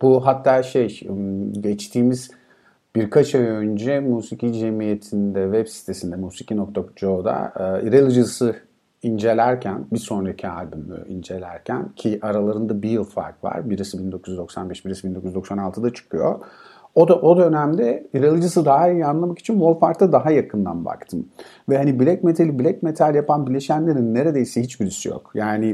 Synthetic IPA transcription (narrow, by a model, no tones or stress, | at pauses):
b̥uɦat̪ʰːaːʃejɟɛt͡ʃt̪ʰiːmiz | b̥iɾkʰat͡ʃʰaønd͡ʒɛmuːsicid͡ʒe̞mijet̪ʰind̪ɛvɛbsi̥t̪ʰe̞sind̪ɛmuːsicʰinok̚t̪ʰakd͡ʒod̪a̰ːiɾelˠɯd͡ʒɯsɯ | ind͡ʒe̞lʲæɾcʰænbiso̞nɾacʰia̰lʲbymlʲy̰ḭnd͡ʒe̞lʲæ̰ɾcʰæ̰ncʰiʔaɾalˠaɾɯnd̪abijɯlˠfa̰ɾkva̰ɾbiɾisibind̪o̞kʰuzyzd̪o̞ksa̰nbɛʃbiɾisibind̪o̞kujzd̪o̞ksanalˠt̪ʰɯd̪at͡ʃʰɯ̥kʰɯjo̰ | od̪aʔo̞d̪øønæmd̪ɛiɾelˠɯd͡ʒɯsɯd̪aɦaijianlˠamaki̥t͡ʃʰinbolˠfaɾkt̪ːad̪aɦajakʰɯnd̪a̰nba̰kt̪ʰɯm | vɛhanibilʲɛcmet̪ʰalʲibilʲɛc̚me̞t̪ʰalʲjapʰanbilʲe̞ʃænlʲe̞ɾinːeɾe̞d̪e̞jisɛɦit͡ʃbiɾisijo̰kjaːni